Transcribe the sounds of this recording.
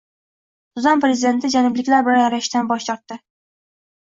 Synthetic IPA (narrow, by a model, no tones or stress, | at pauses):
sʊzɒnpɾezɪd̪e̞nt̪ʰɪd͡ʒanʊblɪkʲlaɾbɪlnjaɾaɪʃt̪anbɒʃt̪ɒɾt̪ːɪ